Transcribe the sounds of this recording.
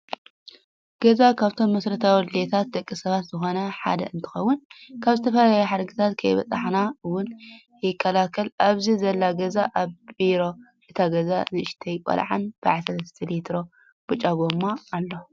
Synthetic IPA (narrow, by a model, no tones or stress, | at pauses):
ɡ̥ɐzakʰaβt̪ʰo̞mːɐsɾɐt̪ʰawd̪let̪ʰat̪̚d̪ɐkʼːisɐβat̪zɨxo̞nɐħa̰d̪ɐɨnt̪ʰɨ̥xɐwːʊnkʰaβzɨt̪ʰɐfɐlaajuħaɾɡɨt̪ʰat̪kʰɐjβɐ̰t͡sʼaħnawʊn | jɪkʰːɐlakʰɐlʔaβzizɐlːaɡɐzaʔaβbiɾo̞ | ʔɨt̪ʰaɡɐzazɨʔɨʃt̪ʰɐjkʼɐ̰lʕa̰nb̥ɨʕasɐt̪t̪ʰɨlit̪ʰɾo̞ | b̥ɨt͡ʃʼaɡomːaːlːo̞